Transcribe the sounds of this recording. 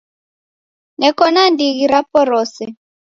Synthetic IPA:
ŋɛkɔnandiɣiɾapɔɾɔːsɛ

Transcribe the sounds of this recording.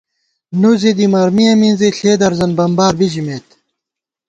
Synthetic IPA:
nuzed̪imɐɾmijɐmĩnzeɬeːd̪ɐɾzɐnbɐmbaːɾbid͡ʑimeːt̪

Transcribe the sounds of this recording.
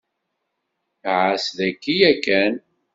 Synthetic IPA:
ʕasðækːijækːæn

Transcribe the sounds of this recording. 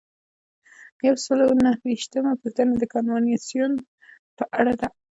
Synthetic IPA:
jawsəlonahwiʃt̪əmapət̪anad̪əkɑnfɑnɑsijun | pəʔaɽad̪a

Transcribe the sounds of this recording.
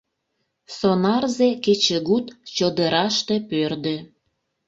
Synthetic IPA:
sonɑrzeket͡ɕeɣut̪t͡ɕod̪əɾɑʃt̪epørd̪ø̆

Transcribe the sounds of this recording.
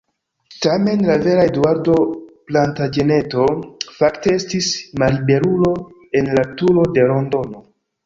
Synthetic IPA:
tame̞nlave̞ɾaeduaɾdo̞plantad͡ʒe̞ne̞to̞faktee̞stismaɾibe̞ɾulo̞ | e̞nlatulo̞de̞lo̞ndo̞no̞

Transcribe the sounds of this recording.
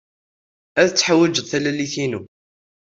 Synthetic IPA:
æðət͡sːħawːæd͡ʒəðθælæliθinu

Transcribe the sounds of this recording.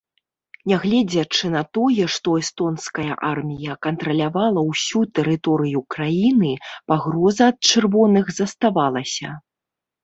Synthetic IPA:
nʲɛɣlʲɛd͡zʲɐt͡ʂɨnɐt̪ɔjɛʂt̪ɔɛst̪ɔnskɐjɐ̰ʔarmʲijɐkɐnt̪ɾɐlʲavalˠɐwsʲut̪ɛɾɨt̪ɔɾɨjukɾajinɨpaɣɾɔzɐːt̪̚t͡ʂɨrvɔnɨɣzɐst̪avalˠɐsʲɐ̰

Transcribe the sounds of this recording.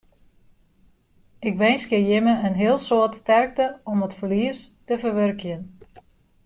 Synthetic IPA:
ɪk̚ʋenskjəjɪməənɦɪəlˠsoətstɛrk̚təɔmətfərliəstəvərʋørkjən

